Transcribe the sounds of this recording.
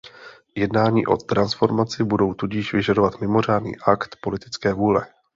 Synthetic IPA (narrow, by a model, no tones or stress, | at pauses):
jɛdnaːɲḭːʔo̞̰t̪ɾansfo̞ɾmat͡sɪbudo̞wt̪uɟɪʃvɪʒado̞vat̪mɪmo̞r̝aːdnḭːʔakt̪po̞lɪt̪ɪ̥t͡skɛːvuːlɛ